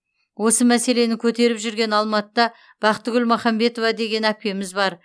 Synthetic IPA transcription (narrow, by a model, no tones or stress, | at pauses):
wo̞səmæse̞le̞nɪkʲʰɵt̪e̞ɾɪpʒʏɾɡʲe̞nɑlˠmɑt̪əd̪ɑ | b̥ɑqt̪ːɪɡʲʏlmɑχɑmbe̞t̪o̞vɑd̪e̞ɡʲe̞næp̚ʲpʲe̞mɪzbɑɾ